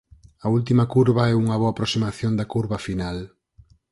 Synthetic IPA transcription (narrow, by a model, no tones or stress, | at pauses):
ɐult̪̬imɐkuɾβɐɛuŋɐβoapɾosimaθjond̪ɐkuɾβɐfinal